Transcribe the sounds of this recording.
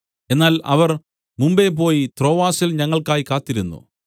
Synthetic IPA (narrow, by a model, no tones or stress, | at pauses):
e̞nːaːlɐʋɐr | mumbe̞ːp̬o̞ːjit̪ro̞ːʋaːsilɲɐŋːɐɭkaːjikaːt̪ːiɾunːṵ